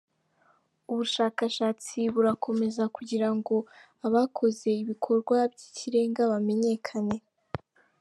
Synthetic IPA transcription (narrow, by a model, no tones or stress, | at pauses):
uβuʃaːkaʃaːt͡siβuɾakʰo̞me̞zakuɟiɾaŋɡo̞ | aβakʰo̞ze̞iβikʰo̞ɾɡwabɟiːcʰiɾe̞ːŋɡaβame̞ɲe̞kʰane̞